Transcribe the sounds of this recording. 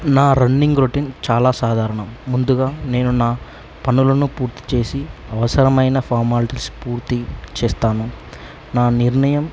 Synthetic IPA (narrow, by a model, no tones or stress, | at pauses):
naːɾɐnːiŋɡɾoʈint͡ʃaːlaːsaːd̪ʱaːɾɐɳɐmːund̪uɡaːne̞ːnunaː | pɐnulɐnupuːɾt̪i̥t͡ʃe̞ːsiɐʋɐsɐɾɐmɐjnɐpʰaːɾmaːliʈilspuːɾt̪it͡ʃɛːst̪aːnu | naːniɾɳɐjɐm